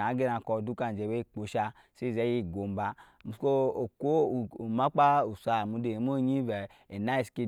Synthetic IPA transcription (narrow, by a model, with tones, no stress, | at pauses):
a˨˦ɡe˦na˧˨kɔ˧˨du˦ka˧˨n˨d͡ʒe˨we˦˨k͡po˨ʃa˧ | se˦˨zɛ˨˦ji˦˨ɡo˨m˦ba˧˨ | mu˨˦ko˦o˨kʷo˦˨ma˦k͡pa˦u˨sʷa˨mu˨˧˦de˨e˨m˦o˦ɲi˦vɛ˨ | e˨na˦i˦˨ske˧